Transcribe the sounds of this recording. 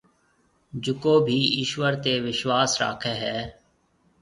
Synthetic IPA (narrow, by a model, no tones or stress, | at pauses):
d͡ʒʊkoːbʱiːɪʃʋəɾt̪eːʋɪʃwaːsɾa̰ːkʰeːɦɛː